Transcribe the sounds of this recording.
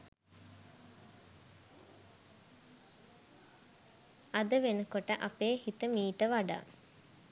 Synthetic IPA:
ad̪əʋenəkoʈəʔapeːhit̪əmiːʈəʋaɖa̰ː

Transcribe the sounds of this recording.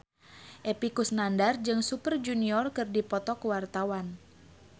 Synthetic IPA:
ʔepikusnandard͡ʒɨŋsupərd͡ʒuniɔrkɨrdipɔt̪ɔkuwart̪awan

